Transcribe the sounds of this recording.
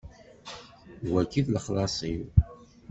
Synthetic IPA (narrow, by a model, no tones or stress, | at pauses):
wækːiðləχlɑsˤiw